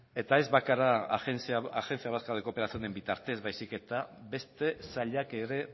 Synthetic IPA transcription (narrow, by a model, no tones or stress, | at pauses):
e̞t̪ae̞zβakaɾaensiaaxe̞nsiaβaskaðekopeɾasionembit̪aɾt̪e̞zβajsike̞t̪abe̞st̪e̞saʎakeɾe̞